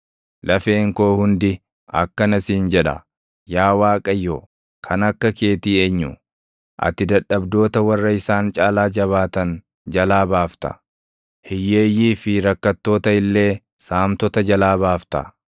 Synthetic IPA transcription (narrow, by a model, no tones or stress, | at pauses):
lɐfeːŋko̞ːhʊnd̪ɪ | ɐ̰kːɐnɐsiːnd͡ʒɛᶑɐ̰ | jaːwaːkʼɐjːoː | kʰɐnɐkːɐke̞ːt̪iːeːɲːʊ | ʔɐ̰t̪ɪd̪ɐᶑɐbd̪o̞ːt̪ɐwɐrːɐɪsaːnt͡ʃʼaːlaːd͡ʒɐβaːt̪ɐn | d͡ʒɐlaːbaːft̪ɐ̰ | hɪjːe̞ːjiːfɪɾɐkːɐt̪ːo̞ːt̪ɐɪlːe̞ː | saːmt̪ɔt̪ɐd͡ʒɐlaːbaːft̪ɐ̰